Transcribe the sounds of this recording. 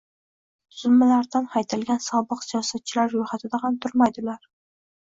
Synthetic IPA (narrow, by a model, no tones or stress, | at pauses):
t̪ʰʊzʊlmalaɾd̪anhajt̪ʰɪlɡʲansɒbɨqsijɒsat̪̚t͡ʃʰɪlaɾːʊjhat̪ʰɪd̪ahamt̪ʰʊɾmajd̪ɪlaɾ